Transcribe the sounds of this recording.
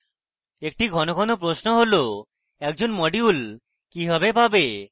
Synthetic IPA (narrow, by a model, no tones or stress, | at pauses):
ek̚ʈiɡʱɔnoɡʱɔnopɾosnoɦolo | ɛk̚d͡ʑonmɔɖiul | kiɦɔbepabe